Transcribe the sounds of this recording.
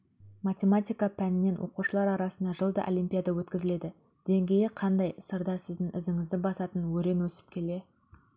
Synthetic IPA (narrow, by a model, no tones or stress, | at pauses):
mat̪ʲe̞mat̪ʲijkɑpʰænɪnːe̞nwʔo̞̰quʃəlˠɑɾɑɾɑsənd̪ɑʒəlˠd̪ɑ̰ʔolˠijmpʲijad̪ɑwɵt̪kʲɪzɪle̞d̪ɪ | d̪̥e̞ŋɡʲe̞jɪqʰɑnd̪ɑjəsəɾd̪ɑsɪzd̪ɪŋʔɪzɪŋɪzd̪ɪbɑsɑt̪ənwɵɾe̞nwɵsɪ̥p̚kʲʰe̞le̞